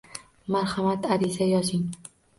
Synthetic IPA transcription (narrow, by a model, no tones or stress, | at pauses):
maɾhamat̪aɾɪzajɒzɪŋ